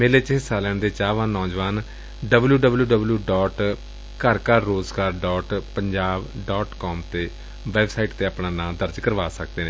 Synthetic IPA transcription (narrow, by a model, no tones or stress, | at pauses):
meːleːt͡ʃɦɪsaːlɛːɳd̪eːt͡ʃaːʋãːnɔːd͡ʒʋaːn | ɖəbljuːɖəbljuːɖəbljuːɖɔːʈ | kəɾkəɾːoːzɡaːɾɖɔːʈpəɲd͡ʒaːbɖɔːʈkɔːmt̪eː | ʋɛːbsaːiʈt̪eːaːpnãːnãːd̪əɾd͡ʒkəɾʋaːsək̚d̪eːnẽ